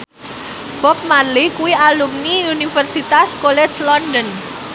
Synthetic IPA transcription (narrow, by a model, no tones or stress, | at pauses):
b̥ɔp̚malikuwialumniunifərsit̪askolɛ̥d͡ʒlɔndɔn